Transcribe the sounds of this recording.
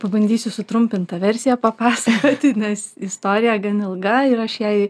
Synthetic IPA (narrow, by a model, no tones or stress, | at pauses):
pɐbɐnʲd̪ʲiːsʲʊsʊt̪ɾʊmʲpʲɪnt̪ɐʋʲɛɾʲsʲɪjɛpɐpɑːsɐkoːt̪ʲɪnʲɛsɪst̪oːɾʲɪjɛɡɐnɪlˠɡɐɪɾɐʃjɛɪ